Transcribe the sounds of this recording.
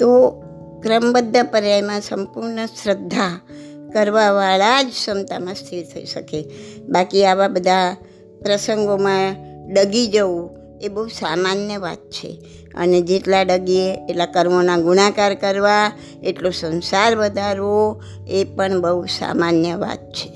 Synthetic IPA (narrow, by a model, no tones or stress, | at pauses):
t̪o | kɾəmbəd̪ʱːəpəɾjajmãsəmpuɾɳəsɾəd̪ʱːa | kəɾʋaʋaɭad͡ʒsəmt̪amãst̪ʰilt̪ʰəḭʃəkebakiaʋabəd̪ʱa | pɾəsəŋɡomãɖəɡid͡ʒəũ | ebəɦusamanjəʋa̰t̪̚t͡ʃʰḛ | ə̰ned͡ʒeʈlaɖəɡieeʈlakəɾmonãɡunakaɾkəɾʋa | eʈlosə̃nsaɾʋəd̪ʱaɾʋo | epəɳbəɦusa̰manjəʋa̰t̪̚t͡ʃʰe̥